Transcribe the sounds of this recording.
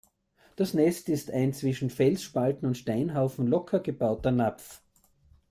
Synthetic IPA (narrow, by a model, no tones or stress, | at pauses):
d̥asnɛstɪstaɪnt͡sv̥ɪʃn̩fɛlsʃpaltn̩ʊntʃtaɪnɦaʊfn̩lɔkʰɐɡəb̥aʊtɐnap͡f